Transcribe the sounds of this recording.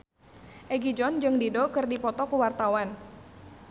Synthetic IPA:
ʔɛɡid͡ʒɔnd͡ʒɨŋdidokɨrdipɔt̪ɔkəwart̪awan

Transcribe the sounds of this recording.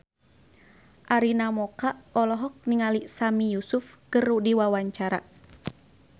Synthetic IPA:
ʔaɾinamɔkaɔlɔɦɔk̚niŋalisamijusʊfkɨrudiwawaɲt͡ʃaɾa

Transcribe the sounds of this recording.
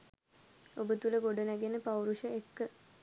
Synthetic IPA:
obət̪uləɡoɖənæɡenəpawɾuʃəekːə

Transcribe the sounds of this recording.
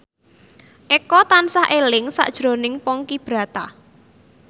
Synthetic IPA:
ʔekɔt̪ansahʔelɪŋsa̰ʔd̥ʒ̥ɾo̤nɪŋpɔŋkib̥ɾa̤t̪a

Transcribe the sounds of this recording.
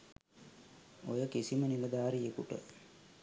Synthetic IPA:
ojəkisiməniləd̪aːɾijekuʈə̰

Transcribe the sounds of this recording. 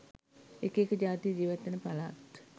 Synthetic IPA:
ekekəd͡ʒaːt̪ijəd͡ʒiːʋat̪ːenəpala̰t̪

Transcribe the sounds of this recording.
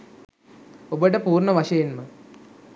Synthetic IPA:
obəʈəpuːrɳɐʋɐʂɐjenmə

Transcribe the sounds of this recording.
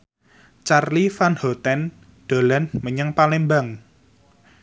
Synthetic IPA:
t͡ʃarlifanhɔt̪ɛn | ɖ̥o̤lɛnməɲəŋpalembaŋ

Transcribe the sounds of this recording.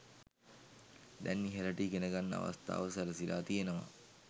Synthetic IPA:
d̪ɛnːiɦeləʈiːɡenəɡanːəa̰ʋa̰st̪a̰ːʋəsaɾəsila̰ːt̪ijenəʋa̰

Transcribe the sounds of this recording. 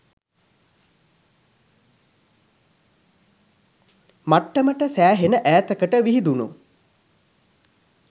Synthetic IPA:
maʈːəməʈəsæːɦenəʔæːt̪əkəʈəʋiɦid̪unṵ

